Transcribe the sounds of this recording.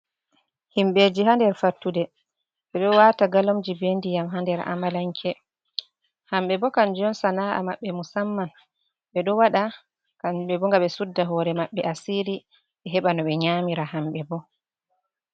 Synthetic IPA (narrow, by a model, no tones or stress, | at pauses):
himɓed͡ʒiɦandɛɾfaɾtːudɛ | ɓɛɗɔwaːtaɡalomd͡ʒibendijamɦandɛɾa̰malaŋkʰɛ | hamɓɛbɔkand͡ʒɔnsanaʔa̰maɓːɛmusamːan | ɓɛɗɔwaɗa | kaɓɛbɔŋɡaɓɛsudːaɦɔːɾɛmaɓːɛʔasiɾi | ɓɛɦɛɓanɔɓɛɲamiɾahamɓɛbɔ